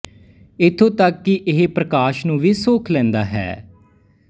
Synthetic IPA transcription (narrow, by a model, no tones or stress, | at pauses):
ɪt̪ʰːõːt̪əkːɪʔɪɦepɾəkaːʃnũːʋiːsoːkʰlɛ̃ːnd̪aːɦɛ̰ː